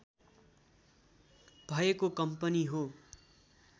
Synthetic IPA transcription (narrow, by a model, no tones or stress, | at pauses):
b̥ʱʌekokʌmpʌniɦo